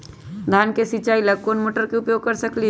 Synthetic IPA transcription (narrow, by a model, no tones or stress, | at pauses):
d̪ʱaːnkesit͡ʃaːilɐkoːnmoːʈəɾkeʊpjoːɡ̚kɐɾsɐkli